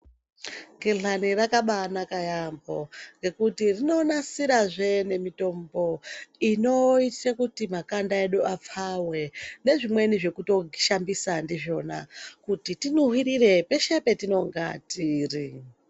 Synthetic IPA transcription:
ɡeɬanirakaɓanakajambo̞ŋɡe̞kutirino̞nasiɾaʐe̞ne̞mito̞mbo̞ino̞itrekutimakandae̞ɗuap͡fawe̞ne̞ʐimwe̞niʐe̞kuto̞ɡʃambisandiʐo̞na̰kutitinuɦwiɾire̞peʃe̞pe̞tino̞ŋɡa̰tiːri

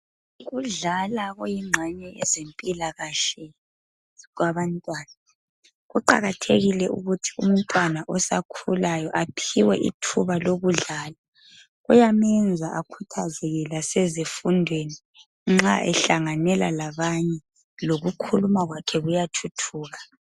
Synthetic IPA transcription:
ɣuɮalaɣojiŋ͡ǁʱaɲɛɛzempʼilaɣaʃɛ | ɣwaβantʼwaːna | ɣuǃa̰ɣatʰeɣilɛʔṵɣutʰi̥um̩n̩tʼwanaʔɔsa̰kʰulajɔʔapʰiwɛ̰ʔḭtʰuβaloɣuɮaːla | ɣujamɛnd͡zʱaʔakʰutʰazɛɣɛlasɛzifundʱweni | ŋ͡ǁaʔɛɬaŋanɛla̰laβaɲɛ | loɣukʰulumaɣwakʰɛɣujatʰutʰuːɣa

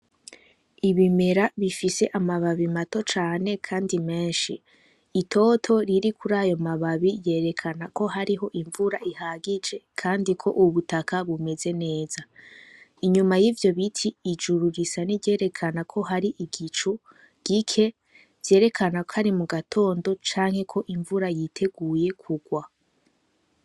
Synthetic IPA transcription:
iβime̞ɾaβifise̞ʔamaβaβimato̞t͡ʃaːne̞kʰaːndime̞ːnʃiː | tʰo̞tʰo̞ɾiɾikʰuɾaːjo̞maβaβije̞ːɾe̞kʰanako̞ɦaɾiɦo̞ʔiɱvuɾaʔihaɡid͡ʒe̞kʰaːndikʰo̞ʔuβutakaβume̞ze̞ne̞ːza | iɲumajivjo̞βitʰiːd͡ʒuɾuɾisaniɟe̞ːɾe̞kʰanakʰo̞ɦaɾiʔiɡit͡ʃu | ɡ̥ikʰe̞ | v̥je̞ːɾe̞kʰanako̥haɾimuɡatʰo̞ːndo̞t͡ʃaːŋhe̞kʰo̞ʔiɱvuɾajitʰe̞ɡuːje̞kʰuɡwa

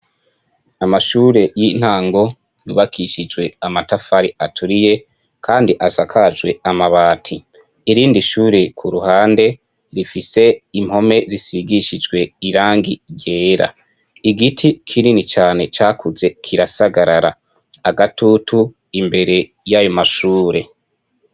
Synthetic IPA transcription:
amaʃuːɾe̞jin̥haːŋɡo̞ | jṵβakʰiʃid͡ʒɡwe̞amatafaɾiatʰuɾije̞ | kʰaːndiʔasakʰad͡ʒɡwe̞amaβaːtʰi | iɾiːndiʃuːɾekʰuɾuhaːnde̞ | ɾifise̞im̥ho̞me̞zisiɡiʃid͡ʒɡwe̞iɾaːŋɡiɟe̞ːɾa̰ | iɡitʰikʰiɾinit͡ʃaːne̞t͡ʃaːkʰuze̞kʰiɾasaɡaɾaɾaː | ɡatʰutʰu | imbe̞ɾe̞ | jajo̞maʃuːɾe̞

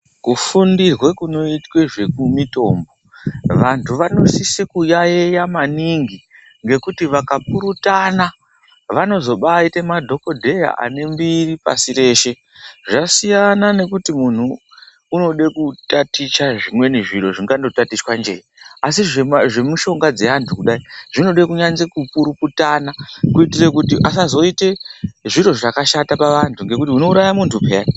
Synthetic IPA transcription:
kufundirwe̞kuno̞itwe̞ʐe̞kumito̞ːmbo̞ | ʋantʰuʋano̞sisekujaejamaniŋɡi | ŋɡe̞kutiʋakapuɾutana | ʋano̞zo̞ɓaitemadʱo̞ko̞dʱe̞ja̰ʔa̰ne̞mbiripa̰siɾe̞ːʃe̞ | ʐasijanane̞kutimun̤uː | no̞ɗekutatit͡ʃaʐimwe̞niʐiɾo̞ʐiŋɡando̞tatiswand͡ʒe̞̰jiasiʐeʐe̞muʃo̞ŋɡad͡ze̞antʰukuɗaiʐ̥ino̞ɗekuɲanzekupuɾuputanakuitirekutiʔas̬azo̞ite̞ʐiɾo̞ʐakaʃatapaʋantʰuŋɡe̞kutiuno̞uɾajamuntʰupejai

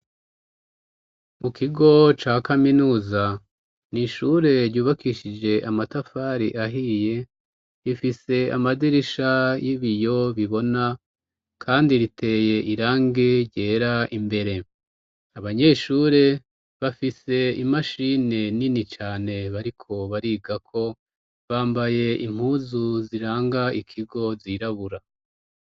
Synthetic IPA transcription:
mukiɡo̞t͡ʃaːkaminuːza | niʃuɾe̞ɾɟuːβakiʃid͡ʒe̞ʔamatafaɾḭʔaɦije̞ | ifise̞a̰madiɾiʃajiβijo̞βiβo̞na | kʰaːndiɾitʰe̞ːje̞ʔiɾaːŋɡe̞ɾɟeːɾaʔimbe̞ɾe̞ | aβaɲe̞ʃuɾe̞ | βafise̞imaʃineninit͡ʃaːne̞βaɾikʰo̞βaɾiːɡakʰo̞ | βaːmbaje̞im̥huːzuziɾaːŋɡaikʰiɡo̞ziɾaβuɾa

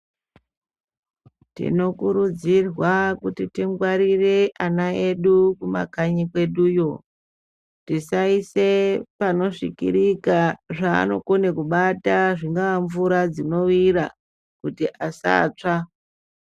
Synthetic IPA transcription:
tḭno̞kuɾud͡zirwakutitiŋɡwaɾire̞ʔanae̞ɗukuma̰kaɲikwe̞ɗujo̞ | tisaise̞pano̞ʂḭkḭɾikaʐa̰ːno̞̰konekuɓataʐiŋɡaaɱvuɾad͡zino̞wira | kutiʔasa̰ːt͡ʂa

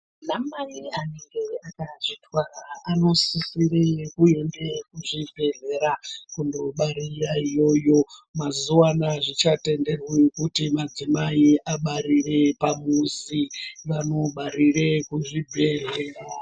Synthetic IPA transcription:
namaianeŋɡeakaʐitwaaːno̞sisirekue̞ndekuʐivʱe̞ɮe̞ɾakundo̞ɓaɾiraijo̞jo̞mazuwanaʐit͡ʃate̞nde̞rwikutimad͡zimaiʔaɓaɾire̞pamusiʋano̞ɓaɾirekuʐibʱe̞ɮeːra

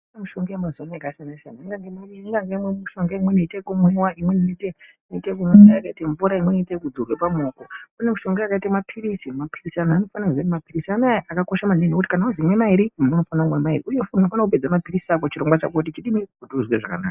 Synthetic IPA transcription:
unemuʃoŋɡamazanaaɡasanesianaiŋɡaŋɡemiŋɡaŋɡemweuʃoŋɡaimwenoitekumwewaimwenite | noitek̬umeajakaiteɱvuɾaimwenoitekud͡zurwepamoːkounemuʃo̞ŋɡeakaitamapʰiɾisimapʰirisanaaːno̞fanazwenemapiɾisianaaʔakako̞ʃamanenokut̬i̥kanauzimwe̞maiɾimuno̞fanaumwemairiujefno̞fanakuped͡zamapirisiak̬ot͡ʃiɾo̞ŋɡwat͡ʃa̰kot̬it͡ʃiɗimiɾikutiuzweʐaka̰na̰ːka

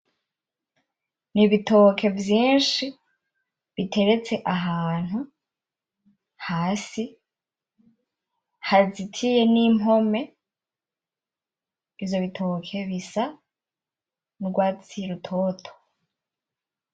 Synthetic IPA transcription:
niβito̞kʰe̞vjiːnʃi | βitʰe̞ɾe̞t͡se̞ʔaɦaːn̥hu | haːsi | hazitʰije̞nimɦo̞me̞ | ivjo̞βitʰo̞kʰe̞βisa | nuɾɡwaːt͡siɾutʰo̞tʰo̥

